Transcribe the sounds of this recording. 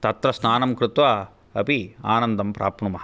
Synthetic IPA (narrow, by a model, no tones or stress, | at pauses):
t̪ɐt̪ɾɐsnaːnɐmkɾɪt̪ʋaː | ɐpia̰ːnɐnd̪ɐmpɾʔa̰ːpɳumɐɦɐ